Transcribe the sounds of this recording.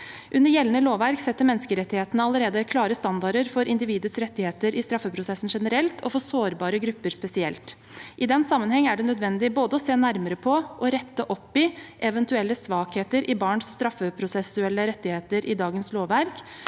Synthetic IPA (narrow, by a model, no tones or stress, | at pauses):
ʔʉnːəɾjɛlənəloːʋʋæɾksɛt̪ːəɾmɛnːskəɾɛt̪ːɪheːt̪ənəɑləɾeːd̪əkʰlɑːɾəst̪ɑnd̪ɑɾəɾfɔɾɪnd̪ɪʋiːd̪əsɾɛt̪ːɪheːt̪əɾɪst̪ɾɑfːəpʰɾʊsɛsn̩ʂɛnəɾɛlt̪ʰɔfɔsoːɾbɑːɾəɡɾʉpːəɾspɛsɪɛ̰lt̪ | ʔɪd̪ɛnsɑmːənhɛŋːæɖɛnœd̪ʋɛnd̪ɪboːd̪əɔseːnæɾməɾəpʰɔʔɔɾɛt̪ːəʔɔpːɪʔɛʋɛnt̪ʉɛlːəsʋɑːkheːt̪əɾʔɪbɑːɳsːt̪ɾɑfːəpʰɾʊsɛsʉɛlːəɾɛt̪ːɪheːt̪əɾʔɪd̪ɑːɡənsloːʋʋæɾk